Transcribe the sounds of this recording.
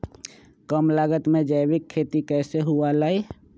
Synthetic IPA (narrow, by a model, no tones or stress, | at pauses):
kəmlaːɡət̪mẽd͡ʒəɪʋɪkʰːeːt̪ikɛːseɦualaːi